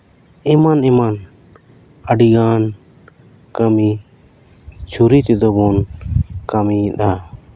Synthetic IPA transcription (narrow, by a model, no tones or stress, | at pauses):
ɛmanɛman | əɖiɡaːn | kəmi | t͡ʃʰuɾit̪ɛd̪ɔbɔnkamiɗ̪a